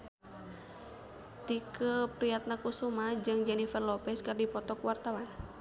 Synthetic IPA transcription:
t̪ikʰəpɾiat̪̚nakusumad͡ʒɨŋd͡ʒɛnifərlɔpɛskərdipɔt̪ɔkwart̪awan

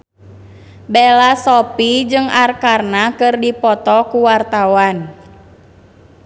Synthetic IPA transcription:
bɛlasɔpid͡ʒɨŋarkarnakɨrdipɔt̪ɔkuwart̪awan

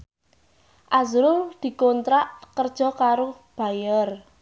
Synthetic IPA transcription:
ʔazɾʊrd̪̥i̤kɔnt̪ɾaʔkərd̥ʒ̥ɔ̤kaɾo | b̥a̤jər

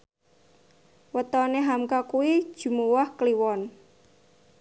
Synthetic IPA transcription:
wət̪ɔneɦamkakuwid̥ʒ̥ṳmuwahkliwɔn

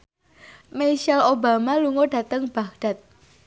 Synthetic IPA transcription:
mejʃalobamaluŋoɖa̤t̪əŋb̥aɡɖ̥a̤t̪̚

